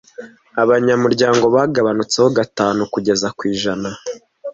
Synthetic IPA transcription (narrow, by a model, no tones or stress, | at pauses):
aβaɲamuɾɟaːŋɡo̞βaːɡaβanut͡seho̞ɡataːnukuɟe̞zakwiːʒana